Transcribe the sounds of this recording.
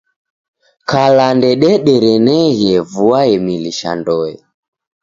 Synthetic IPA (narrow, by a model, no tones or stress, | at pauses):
kalandɛɗɛɗɛɾɛnɛɣjɛvuaɛmiliʃa̰ndɔɛ̰